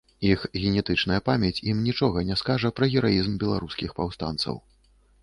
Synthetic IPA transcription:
ixɣʲɛnʲɛt̪ɨt͡ʂnɐjɐpamʲjɛt͡sʲimnʲit͡ʂɔɣɐnʲɛskaʐɐpɾɐɣʲɛɾaizmbʲɛlˠaɾuskʲixpawst̪a̰nt̪sɐ̰w

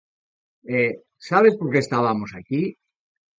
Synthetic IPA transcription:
e | saβe̞spo̞ɾkeːst̪aβamo̞saki

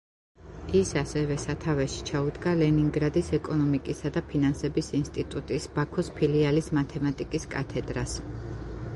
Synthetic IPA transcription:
isasɛvɛsat̪ʰavɛʃi̥t͡ʃʰaud̪ɡalɛniŋɡɾad̪isɛkʼɔnɔmikʼisad̪apʰinansɛbisinst̪ʼit̪ʼut̪ʼisb̥akʰɔspʰilialismat̪ʰɛmat̪ʼikʼiskʼa̰t̪ʰɛd̪ɾas

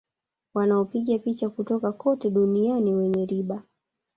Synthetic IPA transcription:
wanaɔpiɠapit͡ʃakutɔkakɔtɛɗunianiwɛɲɛɾiɓa

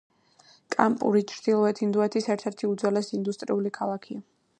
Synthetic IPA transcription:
kʼampʼṵɾit͡ʃʰɾd̪̥ilˠɔɛt̪ʰind̪uɛt̪ʰisɛɾt̪ʰɛɾt̪ʰiud̪zɛlɛsind̪ust̪ʼɾiulikʰalˠakʰia

